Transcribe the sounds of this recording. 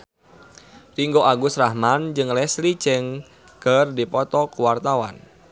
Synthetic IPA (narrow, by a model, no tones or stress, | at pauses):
riŋɡoʔaɡʊsrahmand͡ʒɨŋlɛslit͡ʃɛŋ | kərdipɔt̪ɔkuwart̪awa̰n